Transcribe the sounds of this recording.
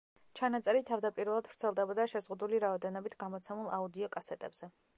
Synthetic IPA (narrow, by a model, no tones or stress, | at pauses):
t͡ʃʰanat̪sʼɛɾit̪ʰavd̪apʼiɾvɛlˠad̪̥vɾt̪sʰɛlˠd̪ɛbɔd̪aʃɛzʁud̪uliɾaɔd̪ɛnɔbit̪ʰɡ̥amɔt̪sʰɛmulˠaud̪iɔkʼasɛt̪ʼɛ̰bz̥ɛ